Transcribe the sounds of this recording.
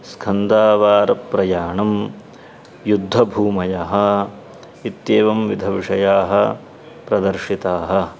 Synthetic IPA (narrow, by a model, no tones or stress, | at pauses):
skʰɐnd̪aːʋaːɾɐpɾɐjaːɳɐm | jud̪ʱːɐbʱuːmɐjaɦɐ̆ | it̪jeːʋɐmʋid̪ʱɐʋiʂɐjaːɦɐ̆ | pɾɐd̪ɐɾʂit̪aːɦɐ̆